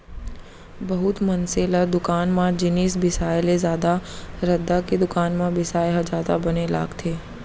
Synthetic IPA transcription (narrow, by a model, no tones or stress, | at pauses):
bɐɦʊt̪mɐnseːlad̪ʊkaːnmãd͡ʒɪniːsbɪsaːjlezjaːd̪aɾɐd̪aked̪ʊkaːnmãbɪsaːjɦad͡ʒaːd̪abɐnela̰ːɡt̪ʰeː